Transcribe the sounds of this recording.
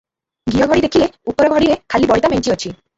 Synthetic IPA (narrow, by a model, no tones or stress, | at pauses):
ɡijɔɡʱɔɽid̪ekʰileupɔɾɔɡʱɔɽiɾekʰalibɔɭit̪ameɲt͡ʃiɔt͡ʃʰi